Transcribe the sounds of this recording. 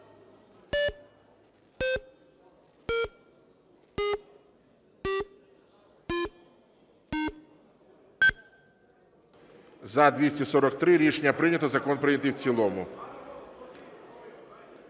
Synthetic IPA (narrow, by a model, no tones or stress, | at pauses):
zɐd̪ʋʲisʲtʲisɔɾɔk̚t̪ɾɪɾʲit͡ʃnʲɐpɾɪnʲɐt̪ɔzɐkɔnpɾɪnʲɐt̪ɪwt͡sʲilˠɔmʊ